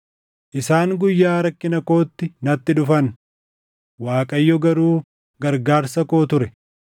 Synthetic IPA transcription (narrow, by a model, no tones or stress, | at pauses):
ʔɪsaːŋɡʊjːaːɾɐkːɪnɐko̞ːt̪ːɪnɐt̪ːɪᶑʊfɐn | waːkʼɐjːɔɡɐɾuː | ɡɐɾɡaːɾsɐko̞ːt̪ʊɾɛ